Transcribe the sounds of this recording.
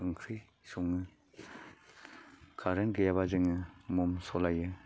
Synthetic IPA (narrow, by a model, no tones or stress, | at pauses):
ɯŋkʰɾɯj | suŋːɯ | kʰaɾenɡɯjaβazɯŋɯmɔmsɔlajɯ